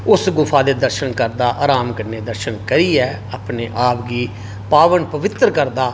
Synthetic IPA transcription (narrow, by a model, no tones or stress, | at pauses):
ʊsɡʊpʰaːd̪eːd̪əɾʃənkəɾd̪aːʔaːɾaːmkəɾneːd̪əɾʃənkəɾiːɛː | aːpneːʔaːpɡiː | paːʋənpəʋɪt̪ɾəkəɾd̪aː